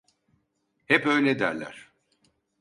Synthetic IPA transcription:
hɛpø̞jlʲɛd̪æ̰ɾlʲæ̰ɾ̥

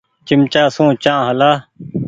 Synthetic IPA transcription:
t͡ʃɪmt͡ʃaːsũːt͡ʃãːɦəlaː

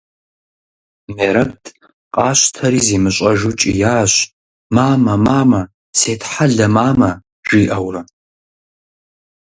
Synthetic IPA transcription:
meːɾɐp̚tʰʼ | qʼɑːɕʷtʰɐɾiːziːmɨɕʷʼɐʒʊt͡ʃʼḭjaːɕ | maːmɐmaːmɐ | seːtʰħaɮɐmaːmɐ | ʒ̥iːʔɐwrɐ

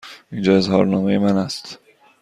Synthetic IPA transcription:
iːnd͡ʒɒːe̞zɦɒːɾnɒːmejemænæst̪

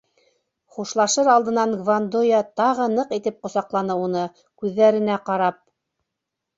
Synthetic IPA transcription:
χuʃlˠɑʃɤɾɑlˠd̪ɤ̆nɑŋɡvand̪ojɑt̪ɑʁɤnɤqit̪ɘp̚qŏsɑqlˠɑnɤunɤ | kʉðːæɾɘ̆næqɑɾɑp̚

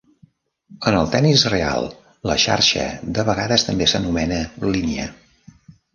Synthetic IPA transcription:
ənəlˠt̪ɛnisrea̰lˠ | lə̰ʃa̰ɾʃə̰d̪əβəɣaðəst̪əmbesənumɛnəliniə̰

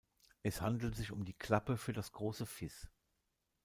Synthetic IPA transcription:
ʔɛshandl̩tz̥ɪçʊmdiːkʰl̥apəfyːɐdasɡ̥ʁoːsəfɪs

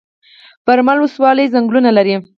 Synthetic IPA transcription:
pəɾmalwʊswɑləjzaŋɡlunalaɾi

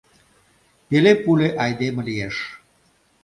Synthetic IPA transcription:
pelepuleʔɑjd̪emə̆lijeʃ

